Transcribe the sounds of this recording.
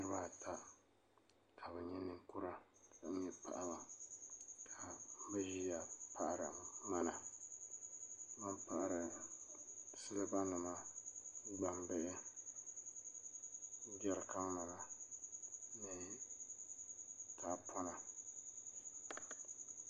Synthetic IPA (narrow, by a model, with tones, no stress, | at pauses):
ɨ˦ɾɨ˦ba˦˨tʰa˦ | kʰa˨bɛ˨ɲɛ˦nɨ˨ŋku˦ɾa˦˨a˨˦ɛ˦pa̰˨ʔa˦ba˨ | kʰa˨˦bɛ˦ʒi˦ja˨pa˦ʔa˦ɾa˨ma˦na˨ | ba˦mpa˨ʔa˨ɾɨ˨ | sɨ˦lɨ˦ba˦nɨ˨ma˦ | ɡ͡ba˨mbɛ˦ʔɪ˦ | d͡ʒɛ˦ɾka˦ma˨la˨ | nɨ˦ | taː˨pʰɔ˦na˨